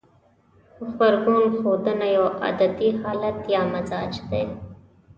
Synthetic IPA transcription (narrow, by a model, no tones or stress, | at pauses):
xbaɾɡunxoːd̪ənajoʔa̰d̪ad̪ihɑːlat̪jɑːmazɑːd͡ʒd̪eː